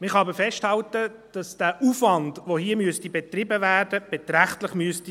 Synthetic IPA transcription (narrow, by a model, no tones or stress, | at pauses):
mɪχɑːbəfɛʃthɑltə | d̥ɑsd̥æːʔuːfʋɑndʋohiəmyəstibɛt̪rɪbəvæːɾd̥əb̥ɛt̪ɾæχtləχmyəsti